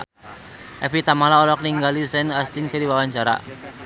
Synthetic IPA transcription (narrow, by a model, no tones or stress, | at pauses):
ʔɛfit̪amalaɔlɔk̚niŋɡalisɛnast̪inkəɾiwawaɲt͡ʃaɾa̰